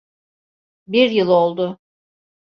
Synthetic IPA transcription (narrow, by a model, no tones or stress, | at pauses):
biɾjɯlˠo̞lˠd̪ʊ